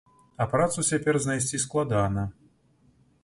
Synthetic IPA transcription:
ɐpɾat̪sut͡sʲapʲɛrznajsʲt͡sʲisklˠad̪anɐ

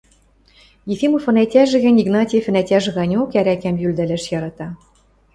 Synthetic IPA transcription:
jefʲimofɤ̆nætʲæʒɘ̆ɣɘ̆nʲiɡnɑtʲifɘ̆nætʲæʒɘ̆ɣɑnʲokæɾækæmjyld̪ælæʃjɑɾɑt̪ɑ

